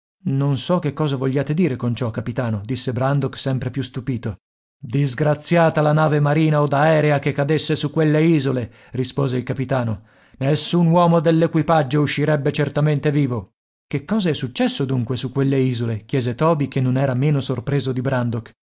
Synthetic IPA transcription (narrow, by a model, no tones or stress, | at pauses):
nonsɔkːekːɔːzavoʎːaːt̪ed̪iːɾekont͡ʃɔkːapit̪aːnod̪isːebɾand̪oksɛmpɾepjust̪upiːt̪o | d̪izɡɾat̪sjaːt̪alanaːvemaɾiːnaod̪aɛːɾeakekːad̪esːesukːwelːeiːzole | rispoːzeilkapit̪aːno | nesːunwɔːmod̪elːekwipad͡ʒːouʃːiɾɛbːet͡ʃert̪ament̪eviːvo | kekːɔːzaɛsːut͡ʃːɛsːod̪uŋkwesukwelːeiːzolekjɛːzet̪ɔːbikenːonɛːɾameːnosorpɾeːzod̪ibɾand̪ok